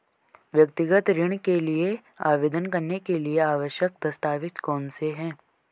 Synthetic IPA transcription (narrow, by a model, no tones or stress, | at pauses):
ʋjɐk̚t̪ɪɡət̪ɾɪɽ̃kelie | aːʋeːd̪ənkɐɾnekelieaːʋəʃjək̚d̪ɐst̪aːʋɪt̪kɔːnseɦɛ̃ː